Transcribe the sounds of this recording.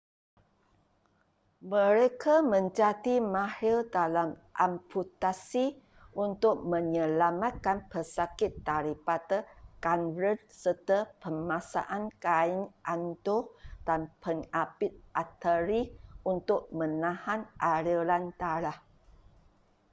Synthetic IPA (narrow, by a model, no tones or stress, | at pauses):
mə̃ɾekʰamə̃ɲd͡ʒatimãhɪldalamʔampʰut̪asi | ʔunt̪ʊk̚mə̃ɲəlamat̪̚kanpəsakɪt̪ːaɾipat̪əkanɾət̚sət̪əpəmãsa̰ʔankaɪŋʔandohd̥anpəŋapɪt̪̚ʔat̪əɾiʔunt̪ʊk̚mə̃nãhãnʔaɾilant̪aɾah